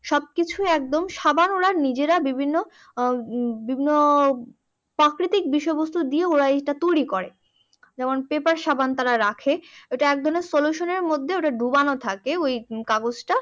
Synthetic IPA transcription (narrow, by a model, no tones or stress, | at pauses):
ʃɔb̚kit͡ɕʰuɛk̚d̪omʃabanoɽaɾnid͡ʑeɾabibʱinːo | bibʱinːo | pɾakɾit̪ik̚biʃɔebost̪ʰud̪ieoɾaeʈat̪oɽikoɾe | d͡ʑɛmonpepaɾʃabant̪aɾaɾakʰeoʈaɛk̚d̪ʱoneɾsoluʃoneɾmod̪ʱːeoʈaɖʱubanot̪ʰakeojkaɡod͡ʑʈa